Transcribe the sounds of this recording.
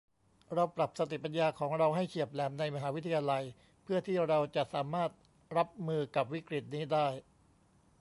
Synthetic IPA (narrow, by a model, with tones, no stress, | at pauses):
ɾa˧wpɾa˨˩p̚sa˧t̪i˨˩pa˧njaː˧kʰɔː˩˦ŋɾa˧wɦa˥˩jkʰi˨˩əp̚lɛː˩mna˧jma˧ɦaː˩˦wi˦˥t̪ʰːa˧jaː˧la˧j | pʰɯ˥˩ɐt̪ʰiː˥˩ɾa˧wt͡ɕa˨˩ʔsaː˩˦maː˥˩t̪̚ | ɾa˦˥p̚mɯː˧ka˨˩p̚wi˦˥kɾi˨˩t̪̚niː˦˥daː˥˩j